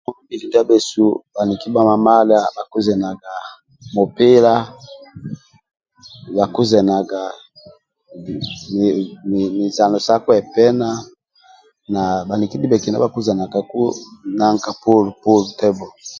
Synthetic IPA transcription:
mɔ˦mi˨li˨da˦be˨su˦ba˨ni˨ki˦ba˦ma˨ma˦la˦ba˨ku˦zɛ˨na˨ɡa˨ | mo˨pe˦la˦ | ba˨ku˦zɛ˨na˨ɡa˨ | mi˨za˨no˨sa˦kwɛ˨pɛ˦na˦ | na˨ba˨ni˨ki˦di˦bɛ˨ki˨na̰˦a˨ku˦zɛ˨na˨ka˨ku˦na˦ŋka˨po˦lu˨po˦lu˨tɛ˦bɔ˨

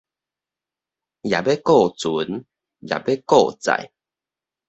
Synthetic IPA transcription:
ja˨˩be˦kɔ˥˨t͡su˨˦n | ja̰˨be˦kɔ˥˨t͡sa̰˨j

